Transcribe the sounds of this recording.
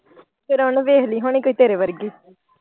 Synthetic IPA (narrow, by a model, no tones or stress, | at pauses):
pʰɪɾɦʊɳʋeːɦliːɦʊɳ̃iːkoːiːt̪eːɾeːʋəɾɡiː